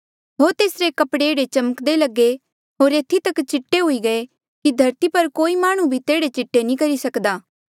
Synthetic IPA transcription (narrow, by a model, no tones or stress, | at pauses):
ɦoːɾt̪eːsɾekɐpɽeːɽet͡ʃɐməkd̪elɐɡːe | ɦoːɾeːt̪ʰːit̪ɐkt͡ʃɪʈːeɦʊiɡɐe | kid̪ʱɐɾt̪ipɐɾkoːimaːɽ̃ũbʱit̪eːɽet͡ʃɪʈːenĩkɐɾisɐkd̪aː